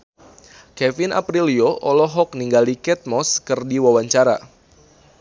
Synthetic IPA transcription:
kɛfinʔa̰pɾilioʔɔlɔɦɔk̚niŋɡalikɛt̪̚mɔskɨrdiwawaɲt͡ʃaɾa̰

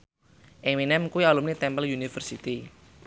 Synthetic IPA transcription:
ʔɪŋminɛmkuwialumnit̪ɛmpəljunifərsit̪i

